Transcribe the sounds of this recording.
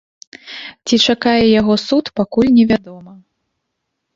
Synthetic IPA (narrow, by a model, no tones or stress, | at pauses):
t͡sʲit͡ʂakajɛjaɣɔsut̪pakulʲnʲɛvʲad̪ɔmɐ